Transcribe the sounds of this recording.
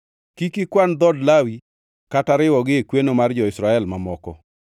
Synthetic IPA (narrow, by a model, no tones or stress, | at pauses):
kikɪkwand̪ɔdlawi | kataɾɪwɔɡɪekwenomard͡ʒɔɪsɾaɛlmamɔkɔ̰